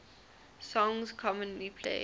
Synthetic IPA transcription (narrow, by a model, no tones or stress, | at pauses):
sɔ̃ŋzkʰɔmə̃nlipʰlḛɪ